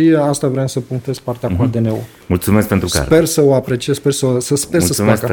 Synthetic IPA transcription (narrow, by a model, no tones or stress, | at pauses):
iast̪avɾeemsəpuŋt̪espart̪eakad̪enewo | mult̪sumeskpent̪ɾuspe̞rsəoapɾe̞t͡ʃijespersəsəspesəsakə